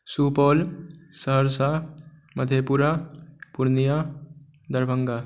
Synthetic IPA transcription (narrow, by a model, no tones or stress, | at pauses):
supɔːlsəɦəɾsa | məd̪ʱjepuɾapuɾnija | d̪əɾbʱəŋɡa